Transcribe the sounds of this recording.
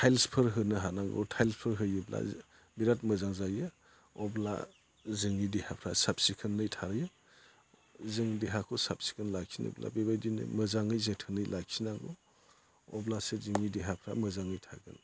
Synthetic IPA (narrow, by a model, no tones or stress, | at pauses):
tʰajlspʰɯɾɦɯnɯɦanaŋɡɔ̰tʰajlspʰɯɾɦɯjɯbla̰ | biɾat̚mɯzaŋzajɯ | ɔbla̰ | zɯŋidehapʰɾasap̚sikʰɯnːɯjtʰaɾɯjɯ | zɯŋdeɦakʰɔsapsi̥kʰɯnlakʰinɯ̰jbla̰bebajdinɯ̰mɯzaŋɯjzetʰɯnɯjlʔakʰinaŋɡɔ | ɔblaseziŋideɦapʰɾa̰mɯzaŋɯjtʰa̰ɡɯn